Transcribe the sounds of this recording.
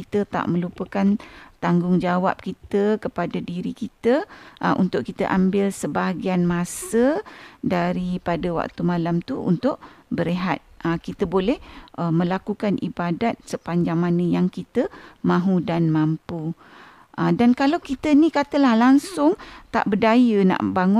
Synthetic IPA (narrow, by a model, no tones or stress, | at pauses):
kit̪ət̪a̰ʔmə̃lupəkant̪aŋɡʊŋd͡ʒawa̰p̚kit̪əkəpadadiɾikit̪əʔəʔṵnt̪ʊʔkit̪əʔambɪlsəbaɦaɡianmãsədaɾipadəwa̰k̚t̪umãlamt̪uṵnt̪ʊʔbəɾeɦat̪̚əkit̪əbolɛhʔəmə̃lakukanʔibadat̪̚səpaɲd͡ʒaŋmanə̃jaŋkit̪əmãɦudanmampu | ʔədankalawkit̪ənĩkat̪əlahlaŋsʊŋt̪a̰ʔbədajəna̰ʔbaŋʊ